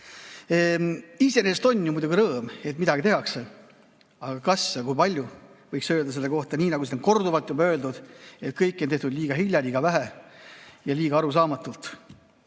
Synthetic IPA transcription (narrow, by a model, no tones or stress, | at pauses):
ise̞neːst̪o̞nʲːjumujd̪uɡiɾɤːme̞t̪mid̪ɑɡ̥it̪e̞ɦɑkse̞ | ɑɡ̥ɑkɑsjɑkujpɑlʲjuvɤjksøːld̪̥ɑse̞lːe̞ko̞ht̪ɑnʲiːnɑɡusinoŋko̞rd̪uvɑlt̪jubɑø̞ːld̪ud̪̥e̞t̪̚kɤjkˑːo̞nt̪e̞ht̪ud̪̥lʲiːɡ̥ɑɦilʲjɑlʲiːɡ̥ɑvæɦe | jɑliːɡ̥ɑɑɾus̬ɑːmɑt̪ːˑult̪